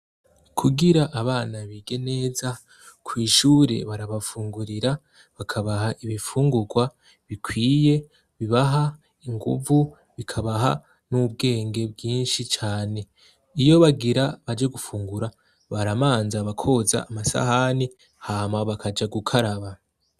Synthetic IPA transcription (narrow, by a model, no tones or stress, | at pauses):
kʰuɡiɾaʔːβaːnaβiːɡe̞ne̞ːza | kʰwiːʃuːɾe̞̰βaɾaβafuːŋɡuɾiɾa | βakʰaβaɦaʔiβifuːŋɡuɡwa | βikwiːje̞ | βiβaɦa | iŋɡṵvu | βikʰaβaɦa̰ | nub̚ɡe̞ːŋɡe̞bɡiːnʃit͡ʃaːne̞ | ijo̞βaɡiɾaβad͡ʒeɡufuːŋɡuɾa | βaɾamaːnzaβakʰo̞ːza̰ːmasa̰hani | haːmaβakʰad͡ʒaɡukʰaɾaβa